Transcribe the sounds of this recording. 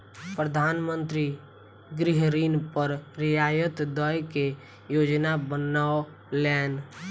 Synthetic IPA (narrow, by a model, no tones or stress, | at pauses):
pɾəd̪ʱaːnmə̃nt̪ɾi | ɡɾɪɦɾiːnpəɾɾɪjaːjət̪d̪əjke | joːd͡ʒnabənao | lɛːn